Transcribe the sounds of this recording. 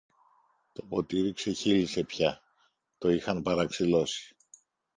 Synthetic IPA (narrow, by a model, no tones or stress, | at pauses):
t̪o̞po̞t̪iɾikse̞çilise̞pçɐ | t̪o̞ixɐnpɐɾɐksilo̞si̥